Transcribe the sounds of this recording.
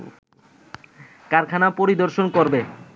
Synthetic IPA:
kaɾkʰanapoɾid̪oɾʃonkoɾbe

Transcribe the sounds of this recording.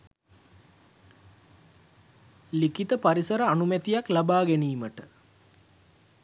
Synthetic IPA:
likit̪əpaɾisəɾəanumet̪ijaklabaːɡeniːməʈə

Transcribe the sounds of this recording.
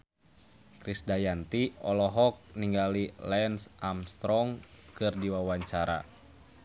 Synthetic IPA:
kɾisdajant̪iɔlɔɦɔk̚niŋɡalilɛnsʔamst̪ɾɔŋkɨrdiwawaɲt͡ʃaɾa̰

